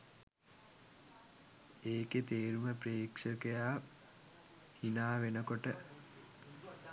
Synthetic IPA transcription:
eːket̪eːɾuməpɾeːkʂəkəjaː | hinaːʋenəkoʈə

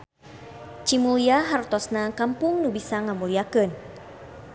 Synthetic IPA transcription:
t͡ʃimuliaɦart̪ɔsnakampʊŋnubisaŋamuliakɨn

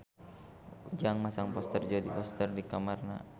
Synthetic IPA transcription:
d͡ʒaŋmasaŋpɔst̪ərd͡ʒɔdipɔst̪ərdikamarna̰

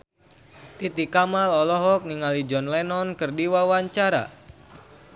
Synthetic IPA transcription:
t̪it̪ikamalɔlɔɦɔk̚niŋalid͡ʒɔnlɛnɔnkɨrdiwawaɲt͡ʃaɾa̰

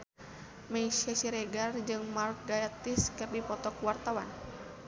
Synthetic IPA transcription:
mɛiʃasiɾɛɡard͡ʒɨŋmark̚ɡajat̪iskɨrdipɔt̪ɔkwart̪awan

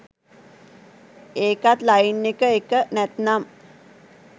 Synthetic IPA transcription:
eːkat̪lainːekəekənɛt̪nam

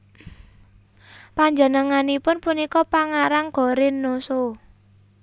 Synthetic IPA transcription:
paɲd͡ʒənəŋanipʊnpunikɔpaŋaɾaŋɡ̥ɔ̤ɾɪnːoso

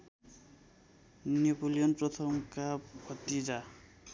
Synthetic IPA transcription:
nepolijʌnprʌt̪ʰʌmkabʰʱʌt̪ːid͡za

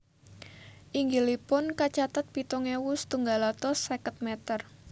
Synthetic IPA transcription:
ʔiŋɡilipʊnkat͡ʃat̪at̪̚pit̪ɔŋewust̪uŋɡalat̪ɔsekət̪̚mɛt̪ər

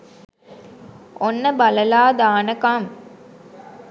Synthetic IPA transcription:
onːəbɐləlaːd̪aːnəkam

